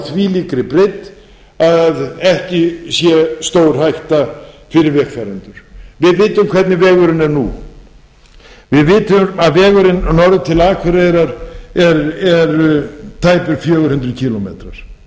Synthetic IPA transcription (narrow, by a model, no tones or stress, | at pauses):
θviːliːkɾɪpɾejt̪ | aððɛhcɪsjɛst̪oːwɾ̥hajht̪afɪɾɪɾvɛkfɛɾant̪ʏɾ̥vɪðvɪːt̪ʏmkʰv̥ɛt̪nɪvɛːɣʏɾɪnɛɾnṵ | vɪðvɪːt̪ʏmaðvɛːɣʏɾɪnnɔɾðʏt̪ʰɪlaːkʰvɛɾeɾaɾɛɾɛɾt̪ʰaːjpʏɾfjœːɣʏɾ̥hʏnt̪ɾʏðcʰiːlɔmḛːt̪ɾaɾ̥